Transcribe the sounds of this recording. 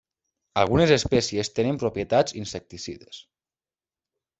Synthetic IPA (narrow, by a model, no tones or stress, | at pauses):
alˠɣunezespɛsiest̪enempɾopjet̪ad͡zinsek̚t̪isḭðes